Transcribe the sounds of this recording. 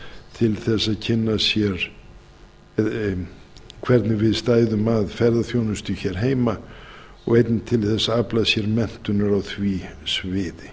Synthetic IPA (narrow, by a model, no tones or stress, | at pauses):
t̪ʰɪlθɛsːaðcʰɪnːasjɛɾ̥ | kʰvɛɾt̪nɪvɪðst̪aːjðʏmaðfɛɾðaθjownʏst̪ʏçɛɾ̥ɦeːjma | ɔ̰ɣejt̪nɪt̪ʰɪlθɛsːaaplasjɛɾmɛn̥t̪ʏnʏɾawθvisvɪːðɪ